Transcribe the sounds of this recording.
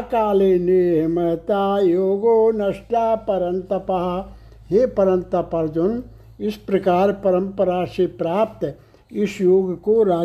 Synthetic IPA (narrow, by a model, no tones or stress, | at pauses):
kaːleːneːɦmɐt̪aːjoːɡoːnɐʂʈaːpɐɾɐnt̪ɐpɐɦɐ | ɦeːpɐɾɐnt̪ɐpɐɾd͡ʒun | ispɾɐkaːɾpɐɾɐmpɐɾaːsepɾaːp̚t̪ | isjoːɡkoɾaː